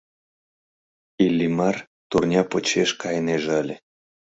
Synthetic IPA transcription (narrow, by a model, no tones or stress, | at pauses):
ilʲːimɑr | t̪urnʲɑpot͡ɕeʃkɑjneʒeəlʲe